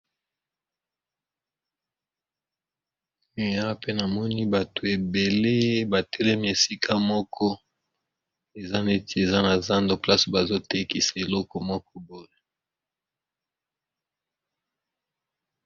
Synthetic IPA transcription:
me˨ja˦pe˦na˨mɔ˦ni˦ba˨to˨e˨be˨le˦ba˨tɛ˦lɛ˦mi˦e˨si˦kʰa˦mɔ˦kʰɔ˦ | e˨za˦ne˦ti˨e˨za˦na˨za˦ndo˨pla˦so˨ba˨zo˦te˦ki˨sa˨e˨lɔ˦kɔ˨mɔ˦kɔ˦bo˨ʁe˦

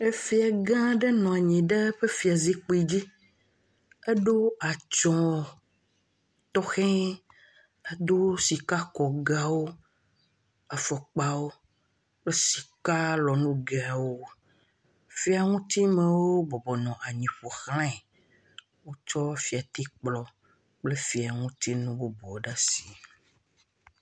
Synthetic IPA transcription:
e˦fi˦a˨ɡã˦ɖe˦nɔ̃˨a˨ɲĩ˨ɖe˦ɸe˦fi˨a˨zi˦k͡pi˦d͡ʑi˦ | e˦ɖo˦a˨t͡ʃɔ̃˨ | t̪ɔ˦xɛ̃˦ | e˦d̪o˦si˨ka˦kɔ˨ɡa˨wo˦ | a˨fɔ˨k͡pa˨wo˦ | k͡ple˦si˨ka˦lɔ˨nũ˦ɡe˨a˨wo˦ | fi˦a˨ŋũ˦t̪i˦mẽ˨wo˦bɔ˨bɔ˨nɔ̃˨ʔa˨ɲĩ˨ɸo˨xl̃ã˦˨ | wo˦t͡ʃɔ˦fi˨a˨t̪i˦k͡plɔ˦ | k͡ple˦fi˨a˨ŋũ˦t̪i˦nũ˦bo˦bɔ˨ɖa˦si˨

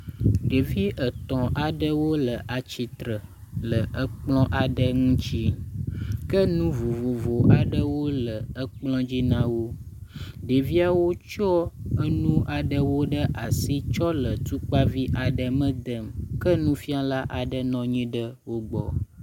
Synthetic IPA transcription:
ɖe˨vi˦ʔə˨t̪ɔ̃˨ʔa˨ɖə˦wo˦lə˨ʔa˨t͡ʃi˨t̪ɾə˨ | lə˨ʔə˦k͡plɔ̃˦ʔa˨ɖə˦ŋũ˦t͡ɕi˦ | kə˦nũ˦vo˨vo˨vo˨ʔa˨ɖə˦wo˦lə˨ə˦k͡plɔ̃˦d͡ʑi˦nã˦wo˦ | ɖe˨vi˦a˦wo˦t͡ʃɔ˦ə˦nũ˦ʔa˨ɖə˦wo˦ɖə˦ʔa˨si˦t͡ʃɔ˦lə˨t̪u˦k͡pa˦vi˦ʔa˨ɖə˨mə̃˦d̪ə˦˨mkə˦nũ˦fi˦a˦la˦ʔa˨ɖə˦nɔ̃˨ɲĩ˦ɖə˦wo˦ɡ͡bɔ̰˨

